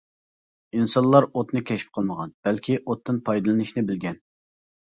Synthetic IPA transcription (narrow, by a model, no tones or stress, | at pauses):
insɑnlˠɑɾot̪nɨkʲʰɛʃi̥p̚qʰəlˠməʁɑnb̥ɛlkʲʰiʔot̪ːɨnpʰɑjd̪ɨlˠɨnɨʃnɪbɪlɡʲɛn